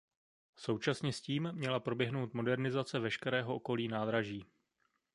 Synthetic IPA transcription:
so̞wt͡ʃasɲɛsciːmmɲɛlapɾo̞bjɛɦno̞wt̪mo̞dɛɾnɪzat͡sɛvɛʃkɛɾɛːɦo̞ʔo̞ko̞liːnaːd̪ɾaʒiː

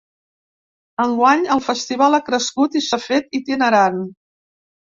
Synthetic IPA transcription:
əŋɡwaɲəlˠfəst̪iβ̞alakɾəskut̪isəfet̪it̪inəɾan

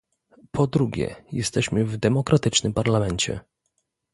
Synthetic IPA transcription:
pʰɔd̪ɾuɡʲɛ̰jɛst̪ɛɕmɘvd̪ɛmɔkɾʔat̪ɘt͡ʂnɘmpaɾlamɛɲt͡ɕɛ̰

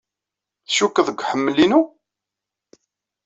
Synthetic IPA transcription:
θʃukːəðˤəɡʷħəmːəlinu

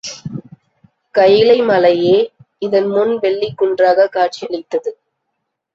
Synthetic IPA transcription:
kɐjɪlɐɪmɐlɐjeː | ɪðɐnmʊnʋɛɭːikːʊɳdraːɣɐkaːʈ̚t͡ʃɪlɪt̪ːɐðɯ

